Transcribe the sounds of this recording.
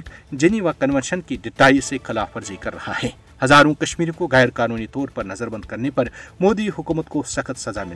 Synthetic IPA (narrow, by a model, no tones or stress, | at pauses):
ʈd͡ʒɐniːʋakɐnʋɛ̃nʃənkiɖɪʈaːisexɪlaːfɐɾzikɐɾːɐha̰hɛː | hɐzaːɾõkɐʃmiːɾõkoɣɛːɾkaːnuːnit̪ɔːɾpɐɾnɐzəɾbɐ̃nd̪̚kɐɾnepɐɾmoːd̪iɦʊkuːmət̪kosɐxət̪sɐzamɪ